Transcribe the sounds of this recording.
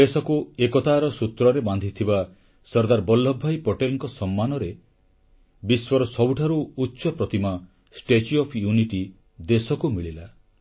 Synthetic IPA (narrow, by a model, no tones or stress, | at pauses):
esɔkuekɔt̪aːɾɔsut̪ɾɔɾeband̪ʱit̪ʰiba | sɔɾd̪aɾbɔlːɔbʱːajpɔʈelŋkɔsɔmːanɔɾe | biswɔɾɔsɔbuʈʰaɾuutːʃɔpɾɔt̪ima | sʈet͡ʃiɔpʰjuniʈi | d̪esɔkumiɭila